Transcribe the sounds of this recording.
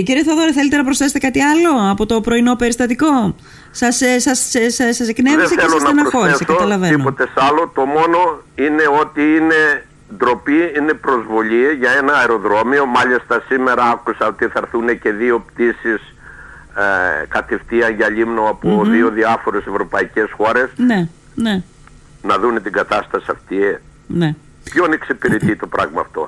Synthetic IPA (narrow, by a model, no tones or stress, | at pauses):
ciɾieθoɐðoɾeθe̞let̪enɐpɾosθeset̪ekɐt̪iɐlo̞ɐpo̞t̪o̞pɾo̞ino̞pe̞ɾist̪ɐt̪iko̞ | sɐssɐsessɐsekneðeseθelslonɐɐnɐsfoɾeseskɐot̪ɐlɐveinopot̪esɐlo̞t̪o̞mo̞no̞ine̞o̞t̪iine̞ | d̪ɾo̞piine̞pɾo̞zvo̞ʎiʝɐe̞nɐːeɾo̞ðɾo̞mio̞mɐʎist̪ɐsime̞ɾɐɐkusɐot̪iθɐɾθunece̞ðio̞pt̪isis | kɐt̪ift̪iɐɲʝɐʎimnoɐpoðio̞ðiɐfo̞ɾe̞se̞vɾopɐice̞sxo̞ɾe̞sne | ne | nɐðune̞t̪iɡɐt̪ɐst̪ɐsiɐft̪ie | ne | pçoneksipiɾit̪it̪o̞pɾʔɐɣmɐːft̪o̞̰